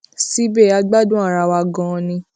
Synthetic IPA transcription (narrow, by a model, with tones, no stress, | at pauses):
si˦be˦˨a˧ɡ͡ba˦dũ˦a˦˨ɾa˧wa˧ɡɔ̃˨˧nĩ˧